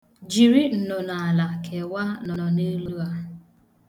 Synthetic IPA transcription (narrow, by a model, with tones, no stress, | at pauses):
d͡ʒi˨ɾi˦n̩˨nɔ˨na˨a˨la˨kʰe˨wa˦nɔ˨nɔ˨ne˦lu˦a˦